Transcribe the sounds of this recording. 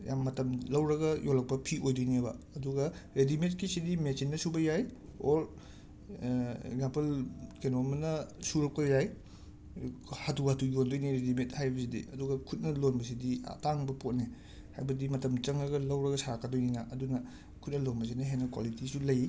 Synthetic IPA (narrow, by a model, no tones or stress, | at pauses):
ja̰mːɐtɐmlɐwɾɐɡɐjʔolːɐk̚pɐpʰiʔojdojnebɐ̰ːduɡɐɾedimet̚kisidimesinːɐsubɐjajoɾ | ḛɡzampɐlkenomɐnɐsuɾɐk̚pɐjaj | hatuatujondojniɾedimet̚hajbɐsidḭʔɐduɡɐkʰut̚nɐlonbɐs̬idia̰taŋbɐpot̚ne | hajbɐdimɐtɐmt͡ʃɐŋɾɐɡɐlɐwɾɐɡɐsaɾakːadojninɐʔɐdunɐ | kʰut̚nɐlonbɐs̬inɐɦenɐkwa̰litisulɐj